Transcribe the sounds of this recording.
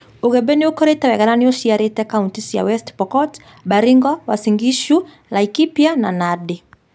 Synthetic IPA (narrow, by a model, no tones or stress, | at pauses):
oɣɛbeniokɔɾetawɛɣalanioʃiaɾetɛkauntisja̰wɛstpɔkɔt | ɓaɾiŋɡɔwasiŋɡiʃu | lajkipjananadi